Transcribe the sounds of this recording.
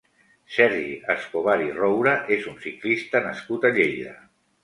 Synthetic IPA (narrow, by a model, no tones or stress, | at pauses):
sɛɾʒiʔəskoβ̞aɾirowɾəʔezunsiklist̪ənəskut̪aʎejðə̰